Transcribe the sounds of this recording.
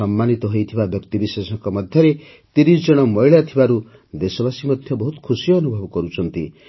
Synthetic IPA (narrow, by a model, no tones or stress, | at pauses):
ʌmːanit̪ɔɦojt̪ʰibabjʌkt̪ibisesɔŋkɔmʌd̪ʱjʌɾe | t̪iɾisd͡ʒʌɽ̃ʌmʌjɭjat̪ʰibaɾu | d̪esɔbasimʌd̪ʱjɔbɔɦut̪kʰusijʌːnubʱʌbkʌɾut͡sʰʌnt̪ḭ